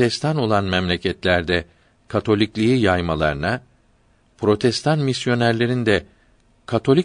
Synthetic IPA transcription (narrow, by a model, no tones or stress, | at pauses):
ɛst̪ʰano̞lˠanmɛmlʲecʰɛt̪lʲæɾd̪ɛ | kʰat̪ʰo̞lʲiclʲiijajmalˠa̰ɾɯna | pɾo̞t̪ʰɛst̪ʰanmisjo̞næɾlʲe̞ɾind̪ɛ | kʰat̪ʰo̞lʲi